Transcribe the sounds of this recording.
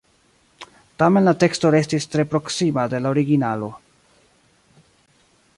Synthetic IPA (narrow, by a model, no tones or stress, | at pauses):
tame̞nlate̞ksto̞ɾe̞stistɾe̞pɾo̞ksimade̞laoɾiɡinalo̞